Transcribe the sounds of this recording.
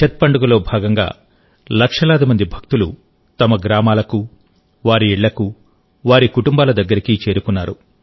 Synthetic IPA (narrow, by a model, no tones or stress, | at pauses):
t͡ʃɐt̪̚pɐɳɖuɡulo̞ːbʱaːɡɐŋɡa̰ː | lɐkʂɐlaːd̪imɐnd̪ibʱɐk̚t̪ulṵ | t̪ɐmɐɡɾaːmaːlɐku | ʋaːɾiɛɭːɐku | ʋaːɾikuʈumbaːlɐd̪ɐɡːɐɾikit͡ʃe̞ːɾukunːaːɾu